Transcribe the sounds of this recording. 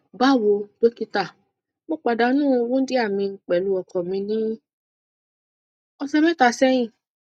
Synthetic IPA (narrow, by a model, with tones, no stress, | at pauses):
ba˦˨wo˧do˦ki˧ta˨ | mo˦k͡pa˨da˨˧˦nũː˦˧wũ˦di˦a˦˨mĩ˧ŋ̩˨k͡pɛ˨lu˧˦ɔ˨kɔ̃˨mĩ˧nĩ˦ | ɔ˧sɛ˧mɛ̃˦ta˨sɛ˦jĩ˦˨